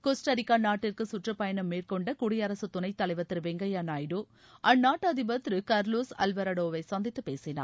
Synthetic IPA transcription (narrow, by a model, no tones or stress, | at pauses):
koːsʈɐɾɪkːaːnaːʈːɪrkɯsʊʈrɐpɐjɐnɐmːeːɾkɔɳɖɐkʊɽɪjɐɾɐsɯt̪ːʊnɐɪt̪ːɐlɐɪʋɐt̪ːɾɯʋɛŋɡɐjaːnaːjɖoː | ɐnaːʈːɐðɪbɐt̪ɾɯkɐɾloːsɐ̰lʋɐɾɐɽoːʋɐɪsɐnd̪ɪt̪ːɯpeːsɪna̰ː